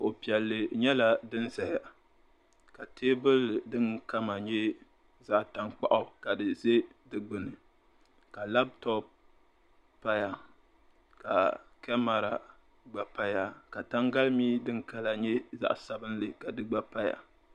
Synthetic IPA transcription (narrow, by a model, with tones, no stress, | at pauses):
o˨pi˨ɛ˨lːɨ˨ɲɛ˦la˦dɨ˦nza˨ja˨ | ka˨tʰeː˦bɨ˦ldɨ˦ŋka˦ma˨ɲɛ˦ | za˦ʔta˨ŋk͡pa̰˨ʔʊ˦ka˨dɨ˨ze˦dɨ˨ɡ͡bɨ˨nɨ˨ | ka˨la˦b̚tɔ˦p̚ | pa˦ja˨ | ka̰˨kɛ˦ma˨ɾa˨ | ɡ͡ba˨pa˦ja˨ka˨ta˦ŋɡa˦lmiː˦dɨ˦ŋka˦la˨ɲɛ˦za̰˦ʔsa˨bɨ˦n˦lɨ˨ka˨dɨ˦ɡ͡ba˦pa˦ja̰˨